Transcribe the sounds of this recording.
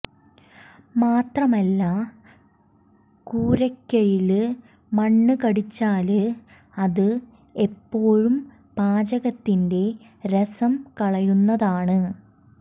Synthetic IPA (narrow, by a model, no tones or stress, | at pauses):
maːt̪rɐmɐlːɐ | kuːɾɐkʲːɐjil | mɐɳːɨkɐɽit͡ɕːaːlɨ | ɐðɨ | e̞pːo̞ːɻum | paːd͡ʑɐɣɐt̪ːinde̞ | ɾɐsɐmkɐɭɐjunːɐðaːɳɨ